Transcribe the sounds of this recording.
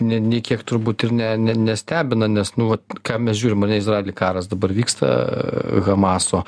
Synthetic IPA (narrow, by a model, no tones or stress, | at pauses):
nʲɛnʲɛɪkʲiɛkt̪ʊɾbuːt̪ɪrnʲɛnʲɛnʲɛsʲt̪ʲæːbʲɪnɐnʲɛsnʊʋɐtkɑːmʲɛs̬ʒʲuːɾʲɪmɐrnʲɛɪsrɑːelʲɪkɑːɾɐsd̪ɐbɐɾʋʲiːkst̪ɐ̰ɣɐmɑːsoː